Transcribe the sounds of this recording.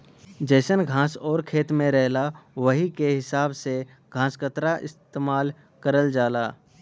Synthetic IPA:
d͡ʒɛːsənɡʱãːsɔːɾkʰeːt̪mẽɾɛɦlaʋəɦikeɦɪsaːbse | ɡʱãːskət̪ɾaʔɪ̰st̪eːmaːl | kəɾəld͡ʒaːlaː

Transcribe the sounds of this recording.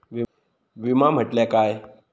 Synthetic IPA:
ʋi | ʋimam̤əʈljakaj

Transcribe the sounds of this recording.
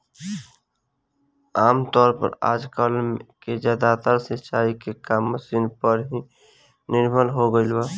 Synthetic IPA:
aːmt̪ɔːɾpə̰ɾa̰ːd͡ʒkəlmked͡ʒaːd̪at̪aɾset͡ʃaːikekaːmːəsinpəɾɦi | nɪɾbʱəlɦoɡəɪlbaː

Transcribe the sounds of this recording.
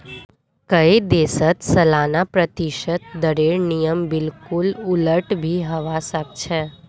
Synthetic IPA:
kəid̪esət̪səlanapɾət̪iʃət̪̚d̪əɾeɭnijəmbɪlkʊlʊləʈbʱiɦəʋasək̚t͡ʃʰɛ

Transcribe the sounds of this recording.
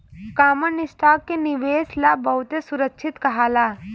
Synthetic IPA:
kaːmənɪsʈaːk̚ːenɪʋeːslabɐɦʊt̪esʊɾəkʃʰɪt̪kɐɦaːlaː

